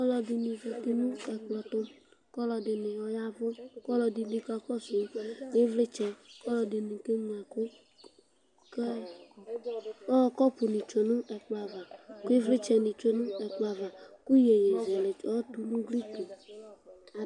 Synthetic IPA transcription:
kɔ˦lɔ˨dɪ˨nĩ˨ve˨t̪e˦nũ˦ɛ˨k͡plɔ˨t̪ʊ˦ | kɔ˦lɔ˨dɪ˨nɪ̃˨wɔ˨ja˦vʊ˦kɔ˦lɔ˨di˨di˦ka˦kɔ˦su˨˦ne˦vle˦t͡ʃɛ˨˦kɔ˦lɔ˨dɪ˨nĩ˨ke˦ŋ˨a˨ku˦ | ke˦ | ɔ˦kɔ˦pʊ˨nĩ˨t͡ʃo˨nʊ̃˦ʔɛ˨k͡pa˨va˨ke˦vlɪ˦t͡ʃɛ˨nĩ˨t͡ʃo˨nũ˦ɛ˨k͡pa˨va˨ku˦je˨ɲẽ˨zɛ˨le˨ɔ˦t̪u˨nũ˦ɡi˦ke˨

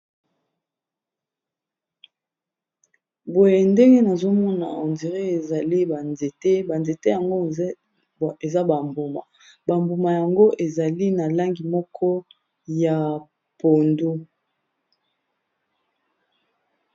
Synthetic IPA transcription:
bo˨je˨nde˦ŋɡe˦na˨zo˦mɔ˦na̰˨o˨ndi˨ʁe˦e˨za˨li˦ba˨nze˨te˦ba˨nze˨te˦ja˨ŋɡo˦˨ | e˨za˦ba˨mbu˨ma̰˨ | ba˨mbu˨ma˨ja˨ŋɡo˦ʔe˨za˨li˦na˨la˦ŋɡi˨mɔ˦kʰɔ˦ | ja˨ | po˨ndu˦

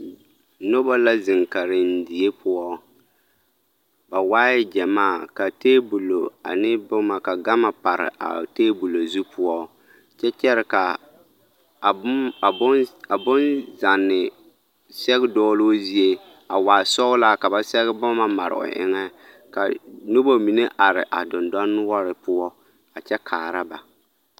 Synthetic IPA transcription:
no˦ba˦la˦zɪ˨ŋka˨ɾɪ˨n̩˦dɪ˨e˦pʊ˦ɔ˦ | ba˨waː˦jɪ˦d͡ʒɛ˨maː˦˨ka˨teː˦bu˨lo˨a̰˨nɪ˦bʊ˦ma˨ka˨ɡa˦ma˨pa˨ɾɪ̰˨ʔa̰˨teː˦bu˨lo˨zu˦pʊ˦ɔ˦ | t͡ʃɛ˦t͡ʃɛ˦ɾɪ˨ka˨˦˨ | a˨bʊ˦nza˨nːɪ˨ | sɛ˦ɣɪ˦dɔː˦loː˦zi˦e˦ | a˨waː˨sɔ˦ʊ˦la˦ka˨ba˦sɛ˦ɣɪ˦bʊ˦ma˦ma̰˨ɾɪ̰˨ʔʊ̰˨ʔɪ̰˦ŋɛ˦ | ka˨no˦bo˦mi˨ne˦ʔa˨ɾɪ̰˨ʔa˨dʊ˨ndɔ˦nː˦wɔ˦ɾɪ˨pʊ˦ɔ˦ | a˨t͡ʃɛ˦kʰaː˨ɾa˦ba˨

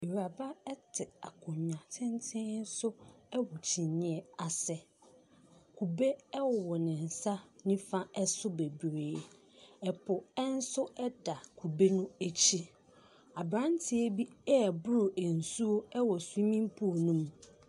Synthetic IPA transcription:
i˨ɾa˨ba˦ɛ˦tʰɪ˨a̰˨kʰʊ̃˨ɲ˨ɲã˨tʰɪ̃˦n˦tʰɪ̃˦n̩˦sʊ˦ɛ˦wɔ˨t͡ɕʰi˨ɲɪ̃˦ɛ˦a˨sɛ˨ | kʰu˨be˦ɛ˦wɔ˨wɔ˨nɪ̃˨n̩˨sa˦nĩ˦fã˦ɛ˦sʊ˦be˨bɾeː˨ | ɛ˨pʰʊ˨ɛ˦n̩˦sʊ˦ɛ˦da˨kʰu˨be˦nʊ̃˦e˦t͡ɕʰi˦ | a˨bɾã˦ntʰɪ˨e˦bi˦ɛ˦˨bʊ˦ɾʊ˨ʔe˨n̩˨su˦o˦ɛ˦wɔ˨su˦i˦mĩ˦m˦pʰu˦o˨nũ˦m

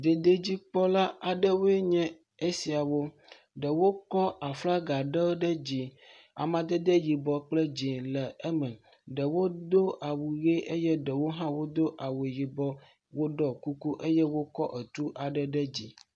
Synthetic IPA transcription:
d̪e˨d̪e˦d͡ʑi˦k͡pɔ˦la˦a˨ɖə˦wo˦e˦ɲɛ̃˦ | e˦si˨a˨wo˦ | ɖə˨wo˦kɔ˦a˨fla˦ɡa˨ɖɛ˦ɖə˦d͡ʑi˨ | a̰˨mã˨d̪e˦d̪e˦ji˨bɔ˨k͡plɛ˦d͡ʑi˨lɛ˨e˦mɛ̃˨ | ɖə˨wo˦d̪o˦ʔa˨wu˨ɣe˦ʔe˦jɛ˦ɖə˨wo˦ɦã˦wo˦d̪o˦ʔa˨we˨ji˨bɔ˦ | wo˦ɖɔ˦ku˦ku˦ʔe˦jɛ˦wo˦kɔ˦ʔə˨t̪u˦ʔa˨ɖə˦ɖə˦d͡ʑi˦

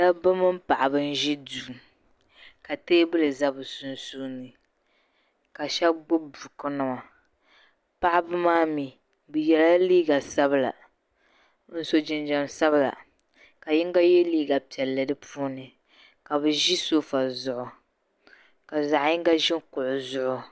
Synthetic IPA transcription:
da˦bɨ˦mɨ˦m̩˦pa˨ʔɪ˨bɨ˦n̩˦ʒi˦du˨ | ka˨teː˦bɨ˦lɨ˨za˦bɨ˨su˦nsuː˦nɨ˨ | ka˨ʃɛ˦bɡ͡bʊ˦bu˨kɨ˦nɨ˦ma˨ | pa˦ʔɪ˦bɨ˦maː˦mi˨ | bɨ˨jɛ˨la˦liː˦ɡa˨sa˦bɨ˨la̰˨ | n̩˦so˦d͡ʒɪ˨nd͡ʒa˨msa˦bɨ˨la̰˨ | ka˨jɪ˦ŋɡa˦jɛ˦liː˦ɡa˨pi˨ɛ˨lːɨ˨dɨ˦pʰuː˦nɨ˨ | ka˨bɨ˨ʒi˦so˦fa˨zʊ˦ʔʊ˨ | ka˨za˨ʔɪ˦ŋɡa˦ʒɪ˦ŋkʊ˨ʔʊ˨zʊ˦ʔʊ˦

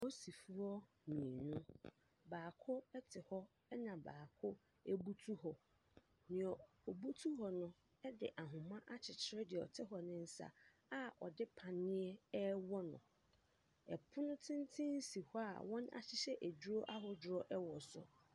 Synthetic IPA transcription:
o˦si˨fu˦ɔ˦ | nĩ˨nʊ̃˦ | baː˨kʰʊ˦ɛ˦tʰɪ˨hɔ˦ | ɛ˦nã˨baː˨kʰʊ˦ | e˦bu˦tʰu˦hɔ˨ | nɪ̃˨ɔ˨ | ɔ˨bu˦tʰu˦ɦɔ˨nʊ̃˦ | ɛ˦dɪ̰˨ʔa˨ɦʊ̃˨mã˦ʔa˦t͡ɕʰɪ˨t͡ɕʰɪ˦ɾɪ˦dɪ˨ɛ˨ɔ̰˨tʰɪ˦ɦɔ˨nɪ̃˦n̩˦sa̰˨ | a˦ɔ̰˨dɪ˦pʰã˨nːɪ̃˦ɛ˦ɛ˦wɔ˦nʊ̰̃˨ | ɛ˨pʰʊ˦nʊ̃˦tʰɪ̃˦n˦tʰɪ̃˦n̩˦si˨hɔ˦a̰˨wɔ̃˦na̰˨t͡ɕʰɪ˦ɕɛ˦ʔæ˨d͡ʑᶣu˦ɾo˦ʔa˦ɦʊ˨d͡ʑʊ˨ɾɔ˦ʔɛ˦wɔ˨sʊ̰˦

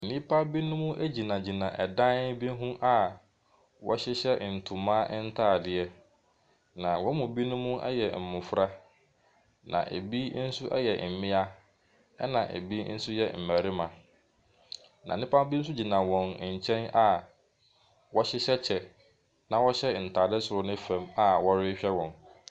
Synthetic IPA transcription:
nĩ˦pʰa˦bi˦nʊ̃˦mũ˦ʔæ˦d͡ʑi˨nã˨d͡ʑi˨nã˨ʔɛ˨dã˦n˦bi˦ɦũ˦ʔa˨ | wɔ̰˦ɕɪ˦ɕɛ˦˨n̩˨tʰu˨mãː˦ʔn̩˦tʰaː˦˨dɪ˨ɛ˦ | nã˨wɔ˦mʊ̃˨bi˦nʊ̃˦mũ˦ʔɛ˦jɛ˨m̩˨mʊ̃˨fɾa˦ | nã̰˨ʔḛ˨bi˦n̩˦sʊ˦ʔɛ̰˦jɛ˨m̩˨mɪ̃˦a˦ | ɛ˦nã˨ʔḛ˨bi˦n̩˦sʊ˦jɛ̰˨m̩˨mæ˨ɾɪ˦mã˨ | nã̰˨nɪ̃˦pʰã˦m˦bi˦n̩˦s̬ʊ˦d͡ʑi˨nã˨wɔ̃˨n˨ɲ̩˨t͡ɕʰɛ̃˦na˨ | wɔ˦ɕɪ˦ɕɛ˦t͡ɕʰɛ˨ | nã˨wɔ˦ɕɛ˦˨n̩˨tʰaː˨dɪ˦sʊ˨ɾʊ˨nɪ̃˦fɛ̃˨ma˦wɔ˦ɾɪ˦ɕᶣɛ˦wɔ̃˨n

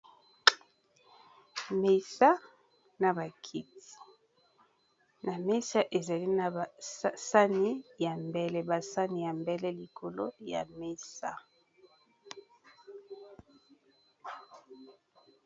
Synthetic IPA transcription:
me˨sa˦ | na˨ba˨kʰi˦ti̥˨ | na˨me˦sa˦ʔe˨za˨li˦na˨˦sa˦ni˦ja˨mbɛ˦˨lɛ˦ba˨sa˦ni˨ja˨mbɛ˦lɛ˦li˨kʰo˨lo̰˦ja̰˨me˦sa˦

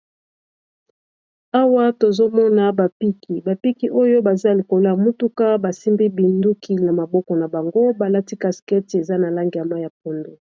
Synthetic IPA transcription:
a˦wa˦to˨zo˦mɔ˦na˦ba˨pi˦kʰi˨ba˨pi˦ki˨ʔo˦jo˦ba˨za˦li˨ko˨la˦˨mu˦tu˦ka˦ba˨si˦mbi˦bi˨ndu˦kʰi˨na˨ma˨bɔ˦kɔ˨na˨ba˨ŋɡo˦ba˨la˦ti˦ka˨skɛ˦ti˨e˨za˦na˨la˦ŋɡi˨a˨ma˦ja˨po˨ndo˨

